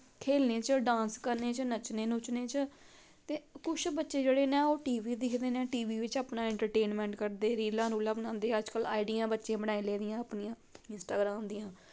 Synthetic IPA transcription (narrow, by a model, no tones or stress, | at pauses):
kʰeːlneːt͡ʃəɖãːnskəɾneːt͡ʃənət͡ʃneːnʊt͡ʃneːt͡ʃə | t̪eːkʊt͡ʃʰbətːʃeːd͡ʒeːɽeːnɛ̃ːoːʈiːʋiːd̪ɪkʰd̪eːnẽːʈiːʋiːʋɪt͡ʃaːpnaːɛ̃ɳʈəɾʈeːnmɛ̃ːɳʈkəɾd̪eːɾiːlãːnũːləʋnãːnd̪eːəd͡ʒkəla̰ːiɖijãːbətːʃẽːbəɽ̃aːĩleːd̪ɪjãːəpnijãːɪnsʈaːɡɾaːmd̪ɪjãː